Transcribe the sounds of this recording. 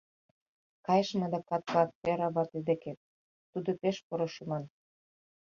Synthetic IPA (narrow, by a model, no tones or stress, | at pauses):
kɑjəʃmɑd̪ɑkɑt̪ɑk̚teɾɑβɑt̪id̪eke | ud̪opeʃpoɾoʃumɑn